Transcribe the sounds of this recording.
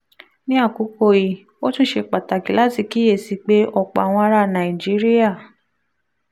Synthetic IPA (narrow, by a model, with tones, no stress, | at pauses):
nĩ˦a˦˨ku˨˦ko˧i˨ | o˦tũ˦ʃe˧k͡pa˨ta˨ki˨˦la˦ti˧ki˨˦e˦˨si˨˧˦k͡pe˦ʔɔ˧k͡pa̰˨w̃ɔ̃˧a˧ɾa˧˨nã˨i˨d͡ʒi˦ɾi˦a˦˨